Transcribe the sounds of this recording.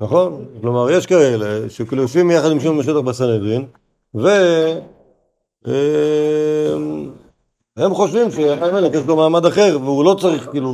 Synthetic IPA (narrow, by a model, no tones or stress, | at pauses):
naχo̞nklomaʁjeʃkaeleʃekloʃvimjaχad̪imʃ̬umːeʃet̪aχbasaned̪ʁin | ve̞ | e | m | he̞mχo̞ʃvimʃeatajmelekeslomaːmad̪aχe̞ʁveulo̞t͡saʁiχkiːlu